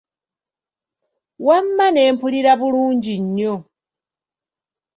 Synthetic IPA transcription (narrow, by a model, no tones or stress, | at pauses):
wamːaneːmpʰuliɾaβuluːɲɟiɲːo